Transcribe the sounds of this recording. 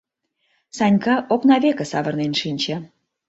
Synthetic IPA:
sɑnʲkɑʔoknɑβʲekə̆sɑβə̆rnenʃinʲt͡ɕĕ

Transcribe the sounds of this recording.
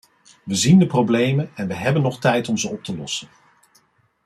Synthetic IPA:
ʋəzindəprowblejmənɛnʋəɦɛbənːɔχtɛjtɔmzəɔp̚təlɔ̰sən

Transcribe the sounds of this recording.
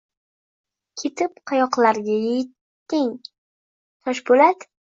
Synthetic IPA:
kʲʰe̞t̪ʰɪpqʰɑjɒqlˠaɾɡʲajejɪt̪ː | ɪŋ | t̪ʰɒʃbolat̪

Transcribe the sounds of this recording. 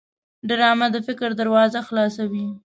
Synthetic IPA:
ɖəɾɑmad̪əfɪkɾd̪aɾwɑzaxlɑsawi

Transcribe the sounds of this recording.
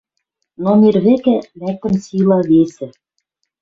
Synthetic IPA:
nomirβɘ̆kæmæk̚t̪ɘ̆msilˠɑβesɘ̆

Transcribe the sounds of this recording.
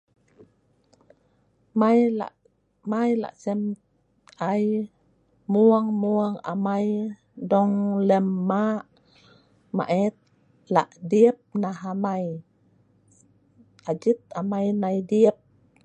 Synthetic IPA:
maja̰ | majla̰ʔsɛm | aj | muaŋmuaŋa̰maj | dɔŋlɛmːaʔ | ma̰ʔɛt̪̚ | laʔdiəp̚naɦamaj | ad͡ʒit̪̚amajnajdiəp̚

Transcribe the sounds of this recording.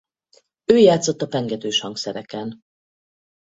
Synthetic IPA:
øːjaːt̪sot̪ːɒpɛŋɡɛt̪øːʃhɒŋksɛɾɛkɛn

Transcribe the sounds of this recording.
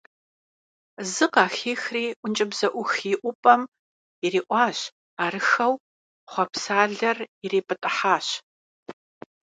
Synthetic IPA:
zɨqɑːxiːxriːʔʷʊnt͡ʃʼɐbzɐʔʷʊxiʔʷʊpʼɐm | iriːʔʷɑːɕ | aːɾɨxɐw | χʷɔpsaːɮɐrɪreːpʼɨtʼɐħaːɕ

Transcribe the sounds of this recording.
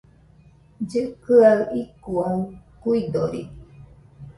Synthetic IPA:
d͡ʒɨkɨaɯikuakuid̪oɾḭ

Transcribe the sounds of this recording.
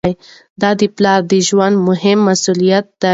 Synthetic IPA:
j | d̪ɑd̪əplɑɾd̪əʒwand̪mʊɦɪmːasulijat̪̚d̪a

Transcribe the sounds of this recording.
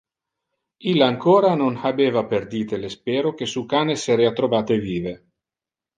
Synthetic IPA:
ilːaaŋkoːɾanonhabeːvaperd̪iːt̪elespeːɾokesukaːneseɾeːat̪ɾobaːt̪eviːve

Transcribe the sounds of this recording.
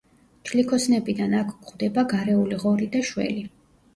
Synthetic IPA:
t͡ʃʰlikʰɔsnɛbid̪anakʰɡʁwd̪ɛbaɡaɾɛuliʁɔɾid̪aʃwɛ̰li

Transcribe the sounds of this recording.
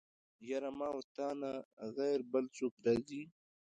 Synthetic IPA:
jaɾamaːwt̪aːnaɣajɾbəlt͡sup̚d̪azi

